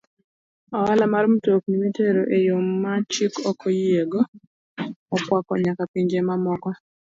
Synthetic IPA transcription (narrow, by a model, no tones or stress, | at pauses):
ɔwalamaɾm̩tok̚nimiteɾoʔejomːat͡ʃikɔkʰojieɡoː | pwakɔɲakapiɲd͡ʒemamɔkɔ